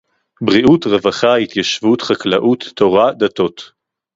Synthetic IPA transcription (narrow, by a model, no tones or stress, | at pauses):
bʁiʔutʁevaχait̪jaʃvutχaklaʔut̪ːoʁad̪at̪o̞t̪